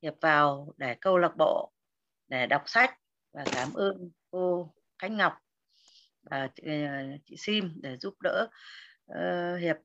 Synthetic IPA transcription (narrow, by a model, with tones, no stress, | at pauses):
hi˨˩əp̚vaː˨˩wɗe˧˩kə˧wlə˨˩k͡p̚ɓo̰˧˨ | ɗe˧˩ɗa˨˩wk͡p̚sa˦˥jk̟̚ | vaː˨˩kaː˧˩mʔɨː˧n | ko˧ | xa˦˥jk̟̚ŋa˨˩wk͡p̚ | vaː˨˩˧t͡ɕḭ˧˨si˧mɗe˧˩zu˦˥p̚ɗə̰ː˧˥˧ | hi˨˩əp̚